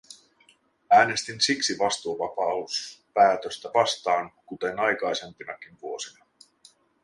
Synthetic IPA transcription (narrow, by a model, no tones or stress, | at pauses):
æːne̞st̪insiksiʋɑst̪uoʋɑpɑuspæːt̪øst̪æʋɑst̪ɑːŋkut̪e̞nɑjkɑjse̞mpinɑk̟inʋuo̞sinɑ